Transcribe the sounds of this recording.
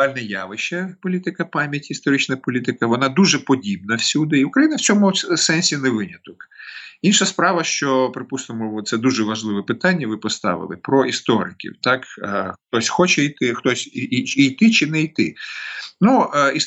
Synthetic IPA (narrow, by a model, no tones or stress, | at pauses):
alʲnɐjaʋɪʃɐpɔlʲit̪ɪkɐpɑmʲjɐtʲist̪ɔɾɪt͡ʃnɐpɔlʲit̪ɪkɐʋɔnɑd̪uʒɛpɔdʲib̚nɐwsʲud̪ɪiʊkɾɐjinɐwt͡ssʲɔmʊsɛnʲsʲinɛʋɪnʲɐt̪ɔkinʃɐspɾɑʋɐʃt͡ʃɔpɾɪpusnɔmʊt̪sɛd̪uʒɛʋɐʒlˠɪʋɛpɪt̪anʲːɐʋɪpɔst̪ɑ̰ʋɪ̰lˠɪ̰pɾɔist̪ɔɾɪ̰kʲḭwt̪ɑkxt̪ɔsʲxɔt͡ʃɛit̪ɪxt̪ɔsʲijt̪ɪt͡ʃɪnɛijt̪ɪ | nui